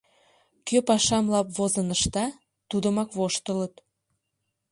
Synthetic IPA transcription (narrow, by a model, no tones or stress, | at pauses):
køpɑʃɑmlɑpβozənəʃt̪ɑ | t̪ud̪əmɑkβoʃt̪ələt̪